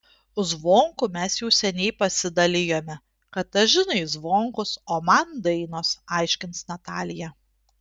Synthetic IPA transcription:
ʊzʋoːŋkʊmʲɛsjɛʊsʲɛnʲɛɪpɐsʲɪd̪ɐlʲɪjoːmʲɛ | kɐt̪ɐʒʲɪnɐɪzʋoːŋkʊsoːmɐnd̪ɐɪnoːsɑˑɪʃʲkʲɪnt̪snɐt̪ɑːlʲɪjɛ

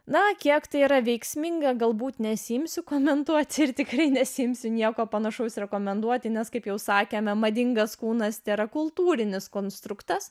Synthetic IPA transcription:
nɐkʲiɛkt̪ɐɪiːɾɐʋʲɛɪksʲmʲɪŋɡɐɡɐlˠbuːt̪nʲɛsʲɪɪmʲsʲʊkoːmʲɛnd̪uɔt̪ʲɪɾt̪ʲɪkrɐɪnʲɛsʲɪɪmʲsʲʊnʲiɛkoːpɐnɐʃɐʊsɾʲɛkoːmʲɛnd̪uɔt̪ʲɪnʲɛskɐɪpjɛʊsɑːkʲeːmɐmɐd̪ʲɪŋɡɐskuːnɐst̪ʲɛɾɐkʊlˠt̪uːɾʲɪnʲɪskoːnst̪ɾʊkt̪ɐs

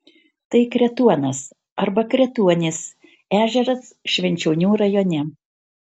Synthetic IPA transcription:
t̪ɐɪkɾʲɛt̪uɔnɐs | ɐɾbɐkɾʲɛt̪uɔnʲɪs | æːʒʲɛɾɐsʃʲʋʲɛnʲt͡ʃʲɛʊnʲuːɾɐjoːnʲɛ

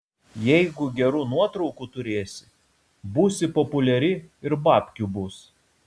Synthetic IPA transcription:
jɛɪɡʊɡʲɛɾuːnuɔt̪ɾɔʊkut̪ʊɾʲeːsʲɪ̥ | buːsʲɪpɔpʊlʲɛɾʲɪɪɾbɑːpʲkʲubʊs

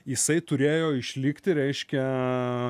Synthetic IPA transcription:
jɪsɐɪt̪ʊɾʲeːjoːɪʃʲlʲɪkt̪ʲɪɾʲɛɪʃʲkʲɛ

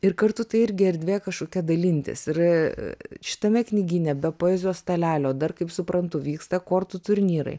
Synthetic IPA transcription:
ɪrkɐrt̪ʊt̪ɐɪɪɾʲɡʲɪɐɾʲd̪ʲʋʲeːkɐʃkoːkʲɛd̪ɐlʲɪnʲt̪ʲɪ̰sɪr | ʃʲɪ̥t̪ɐmʲɛknʲɪɡʲɪnʲɛbʲɛpoːɛːzʲoːst̪ɐlʲæːlʲoːd̪ɐrkɐɪpsʊpɾɐnt̪ʊʋʲiːkst̪ɐkoːrt̪ʊt̪ʊɾʲnʲiːɾɐ̰ɪ

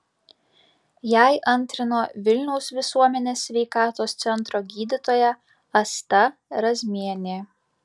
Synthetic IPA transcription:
jæˑɪʔɐnʲˑt̪ʲɾʲɪnoːʋʲɪlʲnʲɛʊsʋʲɪsuɔmʲɛnʲeːsʲːʋʲɛɪkɑːt̪oːst̪sʲɛnˑt̪ɾoːɡʲiːd̪ʲɪt̪oːjɛ | ɐst̪ɐɾɐzʲmʲiɛnʲeː

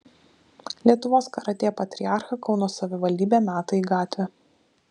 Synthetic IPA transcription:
lʲiɛt̪ʊʋoːskɐɾɐt̪ʲeːɛpɐt̪ʲɾʲɪɑˑɾxɐkɒʊnoːsɐʋʲɪʋɐlʲd̪ʲiːbʲeːnɑːt̪ɐiɡɑːt̪ʲʋʲɛ

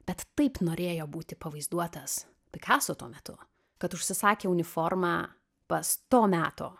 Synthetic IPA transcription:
bʲɛt̪ːɐɪpnoːɾʲeːjoːbuːt̪ʲɪpɐʋɐɪzd̪uɔt̪ɐs | pʲɪkɑːsoːt̪uɔmʲɛt̪ʊ̰ | kɐt̪ʊʃʲsʲɪsɑːkʲeːʊnʲɪfoːrmɑː | pɐst̪oːmʲæːt̪o̰ː

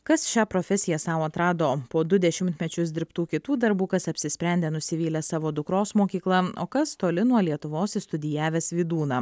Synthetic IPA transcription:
kɐsʃʲæːpɾoːfʲɛsʲɪjɛsɑʊɐt̪ɾɑːd̪oːpoːd̪ʊd̪ʲɛʃʲɪmʲt̪ʲmʲɛt͡ʃʲʊs̬d̪ʲɪɾpt̪uːkʲɪt̪uːd̪ɐɾbuːkɐsɐpʲsʲɪsʲpʲɾʲɛnʲd̪ʲeːnʊsʲɪʋʲiːlʲɛsɑːʋoːd̪ʊkɾoːsmoːkʲiːklˠɐo̰ːkɐst̪oːlʲɪnuɔlʲiɛt̪ʊʋoːsɪst̪ʊd̪ʲɪjæːʋʲeːsʋʲiːd̪uːnɑː

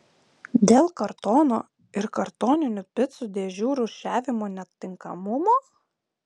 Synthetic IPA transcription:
d̪ʲeːlˠkɐɾt̪oːno̰ː | ɪɾkɐɾt̪oːnʲɪnʲʊpʲɪt̪sʊd̪ʲeːʒʲuːɾʊʃʲæːʋʲɪmoːnʲɛt̪ʲːɪŋkɐmʊmoː

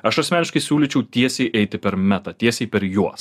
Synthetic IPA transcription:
ɐʃɐsmʲæːnʲɪʃkɐɪsʲuːlʲiːt͡ʃʲɛʊt̪ʲiɛsʲeɪʔɛɪt̪ʲɪpʲɛɾmʲæt̪ɐt̪ʲiɛsʲeːɪpʲɛɾjuɔs

